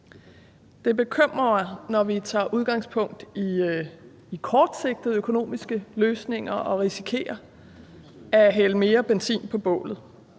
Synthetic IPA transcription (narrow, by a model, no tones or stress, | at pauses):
d̥e̝be̝kʰøm̰ʁɐnɒʋit͡sʰɑ̰̈ːʔuð̞ˠɡ̥ɑ̈ŋspʰɔ̽ŋ̰d̥ | ikʰɒːd̥se̝ɡ̥̚d̥ð̩ˠøkʰo̝no̝̰ːmisɡ̥əløːsne̝ŋ̰ɐʔɒ̽ʁisi̥kʰe̝̰ːɐ | æɦeləme̝ːɐb̥ensḭːnpʰɒ̽b̥ɔ̰̽ːlð̞̩ˠ